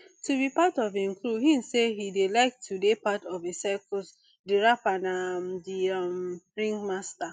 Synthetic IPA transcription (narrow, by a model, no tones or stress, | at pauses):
tubipatɔvenkɾuɦĩn̩seɦidelaɪk̚tʰudepatɔvesakɔs | deɹapanamdiamɹĩŋɡmasta